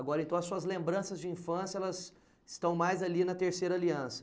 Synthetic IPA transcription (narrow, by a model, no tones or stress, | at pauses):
aɡɔɾɐẽnt̪ɐ̃w̃ɐsuɐzlẽmbɾɐ̃sɐzd͡ʒɪĩfɐ̃sjɐɛlɐz | ɪst̪ɐ̃w̃majzalinɐt̪eɾsejɾɐaliɐ̃sɐ̥